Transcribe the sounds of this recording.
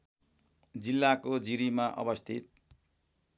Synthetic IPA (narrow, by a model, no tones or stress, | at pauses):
d͡zilːakod͡ziɾimaʔʌ̰bʌst̪ʰit̪̚